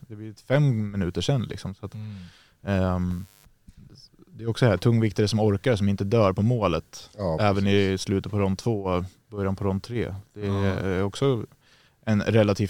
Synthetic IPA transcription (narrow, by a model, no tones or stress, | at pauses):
d̪ɛb̪ɪɾɪt̪fɛmːmɪnʉ̟ːt̪əʂɛnːlɪ̰ksɔmsat̪ | d̪ɛɾɔksɔd̪hæːʈ̪ʰɵŋːvɪkt̪əɾəsɔmɔɾkaɾsɔmɪnt̪əd̪œːɾpʰɔmoːlət̪ɛːvənɪslʉ̟ːt̪əpʰɔɾɔnt̪ʰv̥oː | bœɾjanpʰɔɾɔnt̪ʰɾḛːd̪̥ɛɔksɔ | ɛnɾɛlːat̪ʰiːf